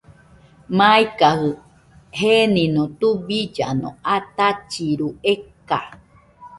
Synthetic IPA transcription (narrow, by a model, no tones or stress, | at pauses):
mãikahɨ | henĩnõt̪ubid͡ʒanõ̰ʔat̪at͡ʃiɾueka̰